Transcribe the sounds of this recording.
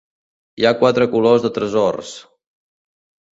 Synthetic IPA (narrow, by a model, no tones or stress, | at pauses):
iakwat̪ɾəkulozðət̪ɾəzɔrs